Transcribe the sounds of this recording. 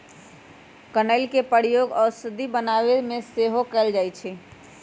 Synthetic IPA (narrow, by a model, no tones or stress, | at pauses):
kənəɪlkepəɽjoɡɔːɾsəd̪ʱːibənaʋeɾmẽseɦokɛɪld͡ʒajt͡ʃʰɛ